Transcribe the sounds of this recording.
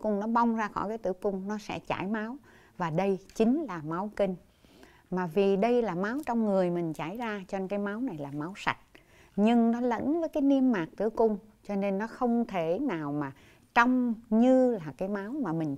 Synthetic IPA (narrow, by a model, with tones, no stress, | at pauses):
kʊ˧ŋ͡mnɔ˨˦ɓa˧wŋ͡mzaː˧xɔ̰˧˩kaː˨˦jt̪ɨ̰˧˩əkʊ˧ŋ͡mnɔ˨˦sɛ̰˧˥t͡ɕa̰ː˧˩jma˨˦w | vaː˨˩ɗə˧jt͡ɕï˨˦ŋ̟laː˨˩ma˨˦wkï˧ŋ̟ | maː˨˩vi˨˩ɗə˧jlaː˨˩ma˨˦wt͡ɕɔ˧wŋ͡mŋɨ˨˩əjmï˨˩ŋ̟t͡ɕaː˧˩jzaː˧t͡ɕɔ˧nkaː˨˦jma˨˦wna˨˩jlaː˨˩ma˨˦wsa̰˨˩t̚ | ɲɨ˧ŋnɔ˨˦lə̰˧˥nvəː˨˦jkaː˨˦jni˧əmːaː˨˩k̚t̪ɨ̰˧˩əkʊ˧ŋ͡m | t͡ɕɔ˧ne˧nːɔ˨˦xə˧wŋ͡mt̪ʰe˧˩naː˨˩wmaː˨˩ | t͡ɕɔ˧wŋ͡mɲɨ˧laː˨˩kaː˨˦jma˨˦wmaː˨˩mï˨˩ŋ̟